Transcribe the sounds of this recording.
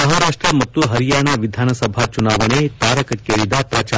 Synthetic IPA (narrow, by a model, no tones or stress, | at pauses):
ɐɦaɾaːʂʈɾɐmɐt̪ːuɦɐɾijaːɳaʋid̪ʱaːnɐsɐbʱat͡ʃunaːʋɐɳet̪aːɾɐkɐkːeːɾid̪ɐpɾɐt͡ʃa